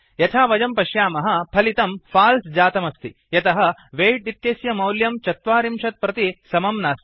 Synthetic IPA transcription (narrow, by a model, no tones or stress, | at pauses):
jɐt̪ʰaːʋɐd͡ʒɐmpɐʃjaːmɐɦɐ̆pʰɐlit̪ɐmpʰaːlsd͡ʒaːt̪ɐmɐst̪ʰi | jɐt̪ɐɦɐʋeːʈit̪ːjeːsjɐmɐwljɐmt͡ʃɐt̪ʋaːɾimʃɐt̪̚pɾɐt̪isɐmɐmnaːst̪i̥